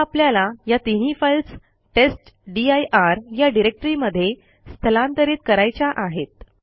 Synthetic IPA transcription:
apljalajat̪iɦifəjls | ʈesʈɖiajʔaɾjaɖiɾek̚ʈəɾiməd̪ʱːje | st̪ʰəlãnt̪əɾiːt̪̚kəɾajt͡ɕaʔaɦet̪̚

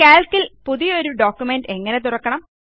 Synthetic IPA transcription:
eːlkːilpuðijo̞ɾuɖoːkːjumenɖe̞ŋːɐne̞t̪̬urɐkːɐɳɐm

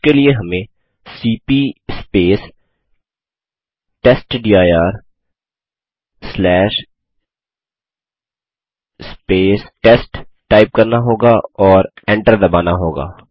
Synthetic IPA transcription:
kelieɦɐmẽ | siːpispeːs | ʈeːsʈɖiːaːjaːɾ | slɛːʃ | speːsʈesʈʈaːɪp̚kɐɾnaɦoːɡaɔːɾɛ̃ɳʈəɾd̪ɐbaːnaɦoːɡa̰ː

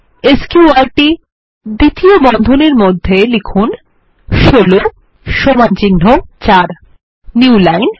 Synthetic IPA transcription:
eskjuaɾʈi | d̪it̪iobɔnd̪ʱoneɾmod̪ʱːelikʰun | ʃolo | ʃomant͡ɕinɦot͡ɕaɾ | niulajn

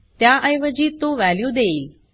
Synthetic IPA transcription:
t̪jaʔəjʋəd͡ʑit̪ũʋɛljud̪eil

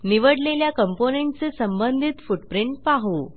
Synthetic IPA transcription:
niʋəɽleljakəmponeɳʈt͡sesəmbənd̪ʱiːt̪fuʈpɾiɳʈ̚paɦo

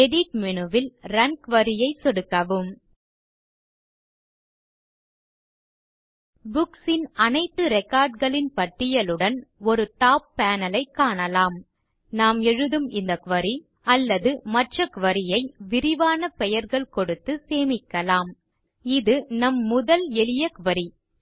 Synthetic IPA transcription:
ɛɽɪʈ̚mɪnɯʋɪlɾɐnkʋɐɾɪjɐɪsɔɽɯkːɐʋɯm | bʊksɪnɐnɐɪt̪ːɯɾɛkaːɾɖɣɐɭɪnpɐʈːɪjɐlɯɽɐnɔɾɯʈaːp̚ːaːnɐlɐɪkːaːɳɐlaːm | naːmɛɻɯðɯmɪnd̪ɐkʋɐɾi | ɐlːɐðɯmɐʈrɐkʊʋɐɾɪjɐɪʋɪɾɪʋaːnɐpɛjɐɾɣɐɭkɔɽɯt̪ːɯseːmɪkːɐlaːm | ɪðɯnɐmːʊðɐlɛɭɪjɐkʋɐɾi

